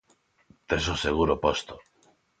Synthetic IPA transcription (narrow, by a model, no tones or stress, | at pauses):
t̪esoseɣuɾopost̪o̥